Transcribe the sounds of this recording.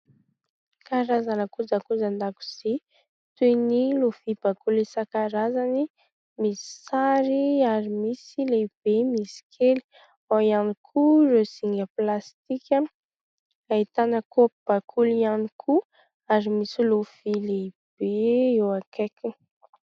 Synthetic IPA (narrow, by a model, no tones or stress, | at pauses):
kaɾazanəkud͡zakud͡zand̪aku̥z̥i | t̪wenilofib̥akulisakaɾazani | misi̥saɾiaɾimisileb̥emisi̥kʰeli̥ | ajanikʰuresiŋɡəplast̪ikʲə | ait̪anəkob̥akʰulianikʰu | aɾimisilufilei | b̥eewakeki